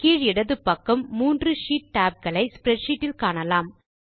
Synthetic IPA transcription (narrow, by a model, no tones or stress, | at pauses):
kiːɻɪɽɐðɯpːɐkːɐmːuːndrɯʂiːʈ̚ʈaːp̚ɡɐɭɐɪspɾɛʈʂiːʈːɪlkaːɳɐlaːm